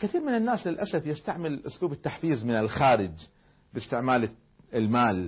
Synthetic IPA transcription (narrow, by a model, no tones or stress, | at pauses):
kɪθiːɾmɪnɪnːaːslɪlʔasafjɪst̪aʕmɪlʔʊsluːbɪt̪ːaħfiːzmɪnɪlxaːɾɪd͡ʒ | bɪst̪ɪʕmaːl | ɪlmaːl